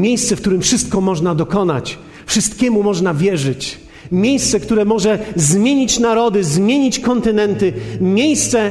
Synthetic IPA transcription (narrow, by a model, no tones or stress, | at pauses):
mʲjejst̪sɛfk̚t̪uɾɘmfʂɘst̪̚kɔmɔʐnad̪ɔkɔna̰t͡ɕ | fʂɨst̪kʲɛmumɔʐnavʲjɛʐɘt͡ɕ | mʲjejst̪sɛkt̪uɾɛmɔʐɛzmʲjeɲit͡ɕnaɾɔd̪ɘzmʲjeɲit͡ɕkɔnt̪ɘnɛnt̪ɘmʲjejst̪sɛ